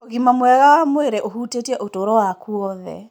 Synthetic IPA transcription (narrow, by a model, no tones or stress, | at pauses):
oɣimamwɛɣamweɾeʔoɦutetiɛʔotoɾɔwakuɔðɛ̰